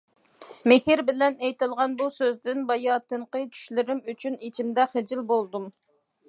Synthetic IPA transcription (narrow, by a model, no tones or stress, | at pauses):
mehɪɾbɪlɛnɛjt̪ɨlˠʁɑnbusøzd̪ɪnbɑjɑːt̪ɨɴqət͡ʃʰy̥ʃlɪɾɪmyt͡ʃʰynit͡ʃʰimd̪ɛχɪd͡ʒilbolˠd̪um